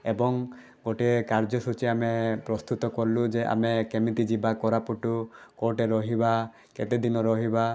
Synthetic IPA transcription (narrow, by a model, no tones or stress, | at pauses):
ebɔŋ | ɡoʈekaɾd͡ʒɔsut͡ʃiamepɾɔst̪ut̪ɔkɔɾlud͡ʒeʔa̰mekemit̪id͡ʒibakɔɾapuʈukoɾʈeɾɔɦiba | ket̪ed̪inɔɾɔɦiba